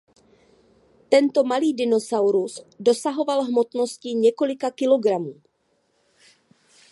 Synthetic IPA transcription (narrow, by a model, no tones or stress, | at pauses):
t̪ɛnt̪o̞maliːdɪno̞sawɾusdo̞saɦo̞valɦmo̞t̪no̞scɪɲɛko̞lɪkakɪlo̞ɡɾamuː